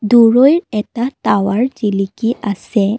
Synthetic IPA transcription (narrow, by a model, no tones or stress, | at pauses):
duɹojɹɛtatawaɹzilikiasɛ